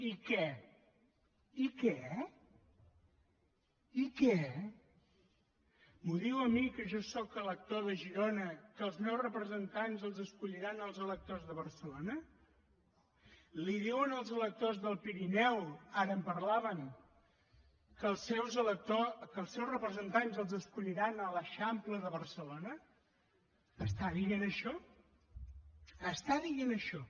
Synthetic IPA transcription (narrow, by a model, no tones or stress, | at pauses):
ikɛ | ikɛ | ikɛ | muðiwəmikəʒɔsɔkələk̚t̪oðəʒiɾonəkəlˠznɛwzrəpɾəzənt̪anzəlˠzəskuʎiɾanəlˠzələk̚t̪ozðəβ̞ərsəlonə | liðiwənəlˠzələk̚t̪ozðəlˠpiɾinɛwaɾəːmpəɾlaβəŋ | kəlˠsɛwzələk̚t̪okəlˠsɛwzrəpɾəzənt̪anzəlˠzəskuʎiɾanələʃampləðəβərsəlonə | st̪aðiɣenəʃɔ | əst̪aðiɣenəʃɔ